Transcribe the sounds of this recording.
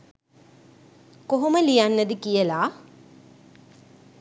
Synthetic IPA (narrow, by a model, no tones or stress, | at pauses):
koɦoməlijanːəd̪ikijəlaː